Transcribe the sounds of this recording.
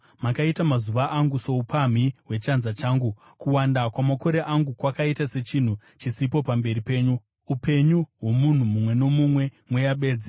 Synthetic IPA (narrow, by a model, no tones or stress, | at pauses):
makaitamazuʋaʔaŋɡuso̞upʰam̤iɦwe̞t͡ʃanzat͡ʃaːŋɡu | kuwandakwamako̞ɾe̞ʔaŋɡukwakaitase̞t͡ʃin̤u | t͡ʃisipo̞pambe̞ɾipe̞ːɲu | upe̞ɲuɦwo̞mun̤umumwe̞no̞mumwe̞mwe̞jaɓe̞ːd͡zi